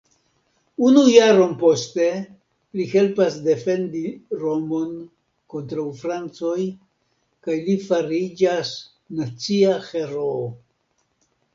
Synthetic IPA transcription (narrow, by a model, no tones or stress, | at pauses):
unujaɾo̞npo̞ste̞ | lihe̞lpasde̞fe̞ndiɾomon | ko̞ntɾawfɾant͡so̞j | kajlifaɾid͡ʒas | nat͡siaxe̞ɾo